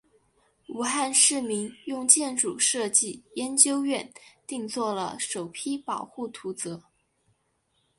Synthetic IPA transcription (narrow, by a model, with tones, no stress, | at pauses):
u˨˧˥xa˥˧nʂɻ̩˥˩mi˧˥njʊ˥˧ŋt͡ɕjɛ˥˧nʈ͡ʂu˨˩ʂɤ˥˧t͡ɕi˥˩jɛ˧˥nt͡ɕjo˥ʊɥɛ˥˧nt̪i˥˧ŋt͡swɔ˥˩lə̰˩ʂo˨˩ʊpʰi˥pɑ˨˩ʊxu˥˩t̪ʰu˧˥t͡sɤ˧˥